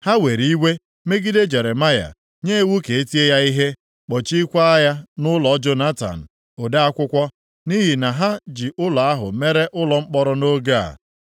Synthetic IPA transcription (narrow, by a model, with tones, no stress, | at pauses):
ha˦we˨ɾi˦wʷe˦ | me˦ɡi˦de˦d͡ʒe˨ɾe˨ma˦ja̰˨ | ɲe˦˨wu˦ke˨e˦ti˦e˦ja˦i˦ɦe˦ | k͡pɔ˨t͡ʃi˦kʷa˦a˦ja˦nʊ˦lɔ˨˦d͡ʒo˦na˦ta̰˨n̩˨ | o˨da˦a˦kʷʊ˦kʷɔ˦ | ni˦ɦi˨na˨ɦa˦d͡ʒi˨ʔʊ˦la˨a˦ɦʊ̰˨me˦ɾe˦ʔʊ˦lɔ˨ŋ͡m̩˦k͡pɔ˦ɾʊ˦no˦ɡa˦˨a̰˨